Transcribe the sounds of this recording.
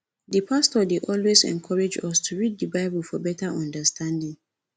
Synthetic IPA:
dipʰastɔdeʔɔlwezɛ̰̃nkʰɔɹed͡ʒɔstʰuɹid̚dəbaɪbəlfɔbɛtaʔɔ̃ndəstʰãndĩŋ

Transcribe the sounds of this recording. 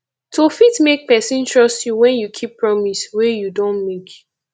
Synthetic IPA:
tʰofitmek̚pɛsĩntʰɹɔstjuwɛ̃njukʰipːɹɔmiswɛjudõnmek

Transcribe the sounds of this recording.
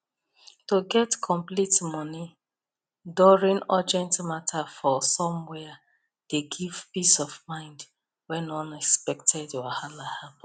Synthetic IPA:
toɡɛtkʰɔ̃mplitmɔni | dɔɹĩnad͡ʒɛ̃ntmatʰafɔsɔ̃mwɛa | d̥eɡiv̥pisɔvmãɪ̃nd | wɛ̃nɔ̃nɛkspɛktʰɛdjahalahap

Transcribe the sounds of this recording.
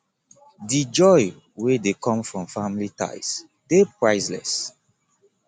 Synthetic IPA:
did͡ʒɔj | wedekʰɔ̃mfɹɔ̃mfãmlita̰ɪs | d̥epɹaɪzlɛ̰s

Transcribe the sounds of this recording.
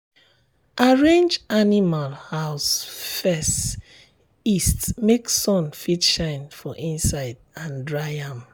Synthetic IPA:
ʔaɹẽnd͡ʒanimalhaʊsfɛst | istmeksɔ̃nfitʃãɪ̃nfɔʔĩnsaɪd̚ãndɹaɪãm

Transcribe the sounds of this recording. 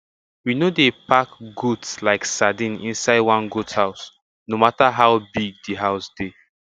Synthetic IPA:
winodepakɡutslaɪksadĩnḭ̃nsaɪdwãnɡuthaʊs | nomataɦaʊbiɡ̚diɦaʊsd̥e

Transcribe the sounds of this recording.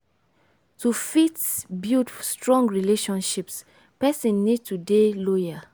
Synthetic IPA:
tufitbidfstɹɔ̃ŋɡɹileʃɔ̃nʃips | pɛsɛ̃nːid̚tudelɔja

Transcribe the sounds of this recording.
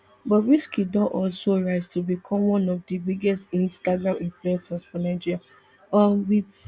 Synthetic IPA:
bɔtɹiskidɔʔɔlsoɹaɪztubikʰɔ̃mwɔ̃nɔvdibiɡɛstĩnstaɡɹãmĩnfluɛ̃nsasfɔ̃naɪd͡ʒiɹia | ãwit

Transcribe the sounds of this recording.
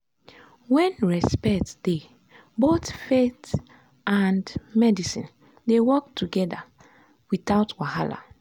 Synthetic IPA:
wɛ̃nɹɛspɛk̚td̥e | botfet | andmɛdisḭ̃n | dewɔk̚tʰuɡɛda | wiθaʊtwahala̰

